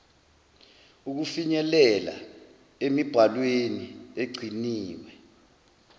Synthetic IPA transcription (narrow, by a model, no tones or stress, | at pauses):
uk̬ufiɲɛlɛla̰ | emib̥ʱalwenieɡ͡ǀʱiniːwɛ